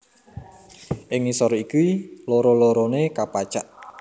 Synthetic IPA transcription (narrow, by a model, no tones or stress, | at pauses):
ʔɪŋisɔɾɔikuloɾɔloɾɔnekapat͡ʃaʔ